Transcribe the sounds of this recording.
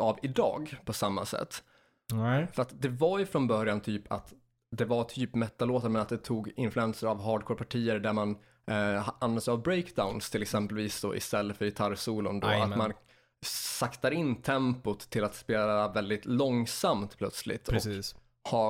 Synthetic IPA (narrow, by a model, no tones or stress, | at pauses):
ʔavɪd̪ɑ̰ːɡpʰɔsamːa̰sɛ̰t̪ː | fœɾat̪d̪ɛvajɵfɾɔnbœɾjant̪ʰyːpʰa̰t̪ | d̪ɛvaʈ̪ʰyːpmɛt̪ːaloːt̪aɾmɛnat̪̚d̪ɛt̪ʰuːɡɪnflʉɛnsəɾavɦɑːɖkʰoːɾpʰaʈʰiːəɾɖ̪æɾman | anvɛnsəavbɾeɪkd̪aʊnst̪ʰɪlɛksɛmpəlviːsd̪o̰ːʔɪ̰st̪ɛlːəfœɾjɪt̪ʰaɾsuːlʊ̰nd̪o̰a̰t̪man | sakt̪aɾɪnːt̪ʰɛmpʊt̪ʰːɪlat̪speːlavɛld̪ɪt̪lɔŋsamt̪pʰlœt̪slɪ̰t̪ʰːɔ | ha